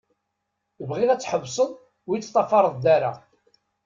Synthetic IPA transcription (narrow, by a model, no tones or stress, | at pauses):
əvʁiðæt͡sːħəvsˤəð | wijt͡sːt̪ˤːɑfɑɾˤəðˤd̪aɾa̰